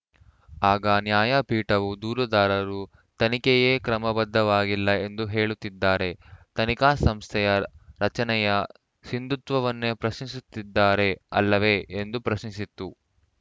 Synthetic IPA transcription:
aːɡɐnjaːjɐpiːʈɐʋud̪uːɾɐd̪aːɾɐɾu | t̪ɐnikɛjeːkɾɐmɐbɐd̪ːɐʋaːɡilːɐe̞nd̪uɦe̞ːɭut̪ːid̪ːaːɾe̞t̪ɐnikaːsɐmst̪ʰɛjɐɾɐt͡ʃɐnɛjɐ | sind̪ut̪ʋɐʋɐnːepɾɐʃnisut̪ːid̪ːaːɾe̞ɐ̰lːɐʋe̞end̪upɾɐʃnisit̪ːu

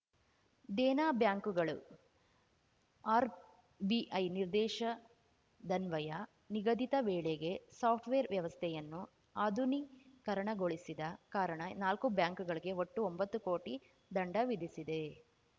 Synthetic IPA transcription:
d̪ɛːnaːbjaːŋkuɡɐɭu | aːɾ | biʔɐjniɾd̪ɛːʂɐ | d̪ɐnʋɐjɐ | niɡɐd̪it̪ɐʋɛːɭeɡe̞saːpʰʈʰʋeːɾʋjɐʋɐst̪ʰɛjɐnːu | aːd̪ʱunikɐɾɐɳɐɡoɭisid̪ɐkaːɾɐɳɐnaːlkubjaːŋkuɡɐɭiɡe̞oʈːuombɐt̪ːukoːʈi | d̪ɐɳɖɐʋid̪ʱisid̪e̞

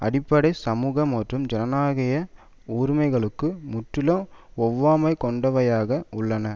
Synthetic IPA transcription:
ɐ̰ɽɪpːɐɽɐɪsɐmuːɣɐmːɐʈrɯmd͡ʒɛnɐnaːɣɪjɐ | uːɾmɐɪɣɐɭɯkːɯmʊʈrɪlɐ̃ɔʋːaːmɐɪkɔɳɖɐʋɐjaːɣɐʊɭːɐnɐ

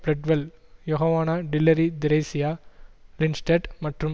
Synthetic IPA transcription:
blɛɖʋɐl | jɔɦɐʋaːnaːɖɪlːɐɾid̪ɪɾɐɪsɪjaːlɪnsʈeʈmɐʈrɯm

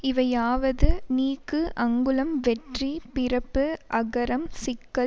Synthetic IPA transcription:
ɪʋɐjaːʋɐðɯniːkːɯʔɐŋɡɯlɐmʋɛʈripɪɾɐpːɯʔɐɣɐɾɐmsɪkːɐ

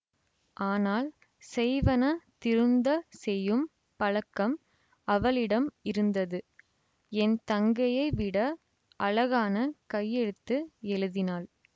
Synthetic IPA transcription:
ʔaːnaːl | sɛɪʋɐnɐt̪ɪɾɯnd̪ɐsɛjːɯm | pɐɻɐkːɐm | ɐʋɐɭɪɽɐmɪɾɯnd̪ɐðɯ | ɛnt̪ɐŋɡɐjɐɪʋɪɽɐ | ʔɐlɐɣaːnɐkɐjːɛɽɯt̪ːɯɛɻɯðɪnaːl

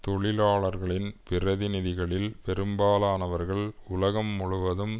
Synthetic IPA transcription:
t̪ɔɭɪlaːɭɐɾɣɐɭɪnpɪɾɐðɪnɪðɪɣɐɭɪlpɛɾɯmbaːlaːnɐʋɐɾɣɐɭʊlɐɣɐmːʊɻʊʋɐðɯm

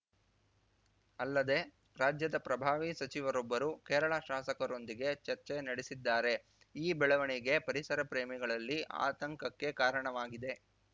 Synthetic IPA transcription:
ɐlːɐd̪e̞ | ɾaːd͡ʒjɐd̪ɐpɾɐbʱaːʋisɐt͡ʃiʋɐɾɔbːɐɾukɛːɾɐɭɐʃaːsɐkɐɾo̞nd̪iɡe̞t͡ʃɐɾt͡ʃenɐɽisid̪ːaːɾe̞ | iːbɛɭɐʋɐɳiɡe̞pɐɾisɐɾɐpɾeːmiɡɐɭɐlːiʔa̰ːt̪ɐŋkɐkːe̞kaːɾɐɳɐʋaːɡid̪e̞

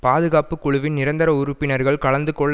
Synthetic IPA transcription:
paːðɯɣaːpɯkːʊɻʊʋɪnnɪɾɐnd̪ɐɾɐʊɾʊpːɪnɐɾɣɐɭkɐɭɐnd̪ɯkːɔː

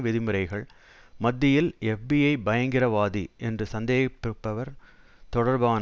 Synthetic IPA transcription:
ʋɪðɪmɯɾɐɪɣɐɭ | mɐd̪ːɪjɪlɛfbiːɐɪbɐjɐŋɡɪrɐʋaːðiʔɛndrɯsɐnd̪eːɣɐpːɪɯpːɐʋɐɾ | t̪ɔɽɐɾbaː

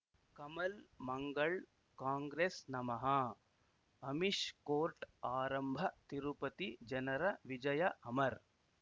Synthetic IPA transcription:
kɐmɐlmɐŋɡɐɭ | kaːŋɡɾeːsnɐmɐɦɐ | ɐmiʂkoːɾʈaːɾɐmbʱɐt̪iɾupɐt̪id͡ʒɐnɐɾɐʋid͡ʒɐjɐʔɐmɐɾ

